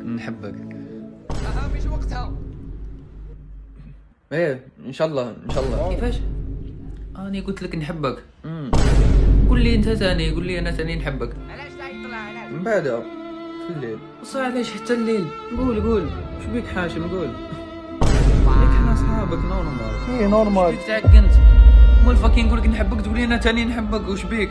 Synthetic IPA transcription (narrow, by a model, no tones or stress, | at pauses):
nħabːak | amiʃwɑɡt̪ʊ | ʔeːʔɪnʃaʔɑlˤːɑːɪnʃaʔɑlˤːɑkkɪfaːʃ | ʔæʔnikʊnt̪laknħɪbːakː | ɡuːlːiʔɪnt̪azaniɡuːlːiʔanasaninħɪbːak | aalamɪmbaʕd̪atəlːiːl | sˤɑʕlaʃħat̪ːælːiːl | nɡuːlɡuːlʃbiːkħaːʃnɡuːl | bɑlˤiknæʔɑsˤħaːbəknoɾˤmalinoɾˤmalt̪aʕakːənt̪mulfækinɡulːəknħəbːək̚t̪ɡulːiʔænæt̪æninħəbːəkwʃbiːk